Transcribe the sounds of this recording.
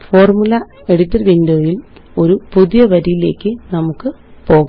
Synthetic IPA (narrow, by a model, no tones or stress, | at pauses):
fo̞ːrmulɐ | e̞ɽut̪ːɐrʋindoːjil | o̞ɾupuðijɐʋɐɾijile̞ːkːɨnɐmukːɨ | po̞ːɣ